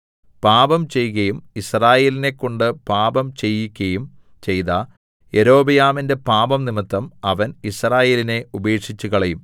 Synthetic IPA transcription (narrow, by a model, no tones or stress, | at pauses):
paːbɐmt͡ɕe̞jɣɐjumisraːje̞ːline̞kːo̞ɳɖɨpaːbɐmt͡ɕe̞jːikʲːɐjum | t͡ɕe̞jt̪a | eɾo̞ːbɐjaːminde̞paːbɐmnimit̪ːɐmɐʋɐnisraːje̞ːline̞ubeːʈʂit͡ɕːuɣɐɭejum